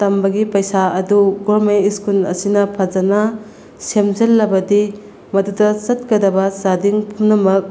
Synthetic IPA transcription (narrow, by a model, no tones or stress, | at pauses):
tɐmbɐɡipɐjsaɐduɡoɾmeiskunɐ̰sinɐpʰɐd͡ʒɐnɐ | semzɐlːɐbɐdi | mɐdudɐsɐt̚kɐdɐbɐsadiŋpʰumnɐmɐk̚